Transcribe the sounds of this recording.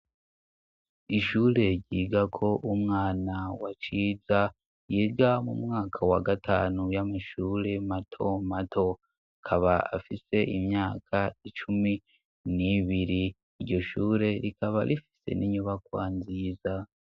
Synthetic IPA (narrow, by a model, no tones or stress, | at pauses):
iʃuːɾe̞ɟɟiɡakʰo̞ʔumŋaːnawat͡ʃiːza | jiɡamṵmŋaːkʰawa̰ɡatʰaːnujamaʃuːɾe̞matʰo̞matʰo̞ | akʰaβaa̰fise̞ʔimɲaːkʰait͡ʃumi | niβiɾiː | ɾɟo̞ʃuːɾe̞ɾikaβaɾifi̥se̞̰nʔiɲuβakwaːnziːza